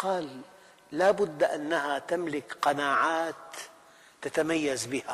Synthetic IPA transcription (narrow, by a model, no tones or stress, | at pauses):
qɑːlː | aːbʊd̪ːʔanːahat̪amlɪkqɑnaːʕaːt̪ː | at̪amajːazbɪha